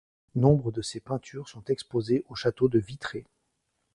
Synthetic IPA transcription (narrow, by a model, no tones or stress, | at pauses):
nɔ̃bʁəd̪əsepɛ̃t̪ʰyʁsɔ̃t̪ɛkspozeʔoʃat̪od̪əvit̪χe